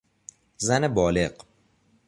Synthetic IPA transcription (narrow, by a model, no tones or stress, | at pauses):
zænebɒːle̞ɢ